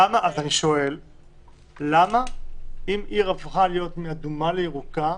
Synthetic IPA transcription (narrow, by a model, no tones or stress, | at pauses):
amaʔazaniʃo̞e̞lː | amaimiʁafχalijo̞t̪miad̪umaleiʁuka